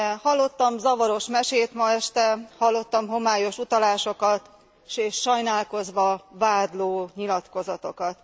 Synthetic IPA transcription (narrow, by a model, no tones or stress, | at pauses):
hɒlːo̞t̪ːɒmzɒvɒɾo̞ʃmɛʃeːt̪mɒɛʃt̪ɛhɒlːo̞t̪ːɒmɦo̞maːjo̞ʃut̪ɒlaːʃo̞kɒt̪ | ʃeːʃːɒjnaːlko̞zʋɒvaːd̪loːɲilɒt̪ko̞zɒt̪o̞kɒt̪